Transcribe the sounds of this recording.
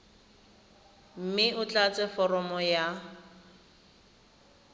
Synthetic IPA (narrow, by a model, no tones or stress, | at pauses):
m̩mɪʊt͡ɬat͡sʼɛfɔrɔmɔja